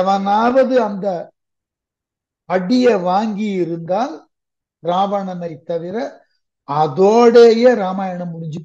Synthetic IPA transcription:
ɐʋɐnaːʋɐðɯɐnd̪ɐ | ɐɽɪjɐʋaːŋɡijɪɾɯnd̪aːl | ɾaːʋɐɳɐnɐɪt̪ːɐʋɪɾɐ | ɐðoːɽeːjeːɾaːmaːjɐɳɐmːʊɽɪɲd͡ʒɯ

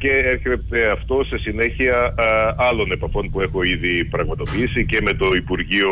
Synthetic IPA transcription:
ce̞eɾçet̪e̞ɐft̪o̞sesine̞çiɐɐlo̞ne̞pɐfo̞npue̞xo̞iðipɾɐɣmɐt̪o̞piisice̞me̞t̪o̞ipuɾʝio

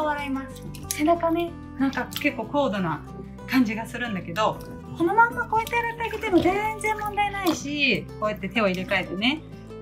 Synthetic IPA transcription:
βaɾaimasɨ̥ | senakane̞ | nãŋkake̞kːo̞ːko̞ːd̪o̞na | kãɲ̟d͡ʑiɡasɨɾɯ̟̃nd̪ake̞d̪o̞ | ko̞no̞mãmːako̞ːet̪ːeɾak̪ːaiket̪emozẽ̞ñnzẽ̞mmːõ̞nd̪ainaiɕikoːjat̪ːe̞t̪e̞o̞iɾekaet̪ːe̞ne̞

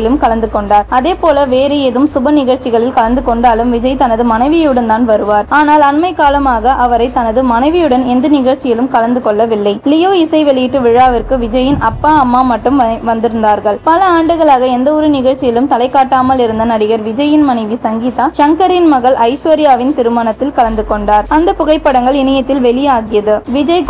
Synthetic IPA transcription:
ɪlɯmkɐlɐnd̪ɯkɔɳɖaːɾɐðeːpoːlɐʋeːɾɛɛðɯmsʊbɐnɪɣɐɻt͡ʃɪɣɐɭɪlkɐɭɐnd̪ɯkɔɳɖaːlɯmʋɪd͡ʒɐɪt̪ɐnɐðɯmɐnɐɪʋɪjjɯɽɐnt̪aːnʋɐɾɯʋaːɾaːnaːlɐnmɐɪkːaːlɐmaːɣɐʔɐʋɐɾɐɪt̪ːɐnɐðɯmɐnɐɪʋɪjɯɽɐnɛnd̪ɐnɪɣɐɻt͡ʃɪjɪlɯmkɐlɐnd̪ɯkɔɭːɐʋɪlːɐɪlɪjoːɪsɐɪʋɛɭɪjɪʈːɯʋɪɻaːʋɐɾkɯʋɪd͡ʒɐjɪnʔɐpːaːɐmːaːmɐʈːɯmʋɐnd̪ɪɾɯnd̪aːɾɣɐɭpɐlɐaːɳɖɯɣɐɭaːɣɐɛnd̪ɐɔɾɯnɪɣɐɭt͡ʃːɪjɪlɯmt̪ɐlɐɪkːaːʈːaːmɐlɪɾɯnd̪ɐnɐɽɪɣɐɾʋɪd͡ʒɐjɪnmɐnɐɪʋisɐŋɡiːt̪aːʂɐŋkɐɾɪnmɐɣɐɭʔɐɪʂʋɐɾɪjaːʋɪnt̪ɪɾɯmaːnɐt̪ːɪlkɐlɐnd̪ɯkɔɳɖaːɾɐnd̪ɐpʊɣɐɪpːɐɽɐŋɡɐɭɪnɐjɐt̪ːɪlʋɛlɪjaːɣɪjɐðɯʋɪd͡ʒɐɪ

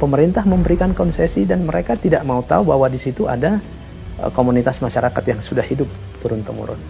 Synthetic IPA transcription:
pəməɾint̪ahməmbəɾikankɔnsesidanməɾekat̪idaʔmaut̪a̰ubaɦwadisit̪ua̰da̰ | komunit̪asmaʃaɾakat̪jaŋsudahhidʊp̚ | t̪uɾʊnt̪əmṵɾʊ̰n

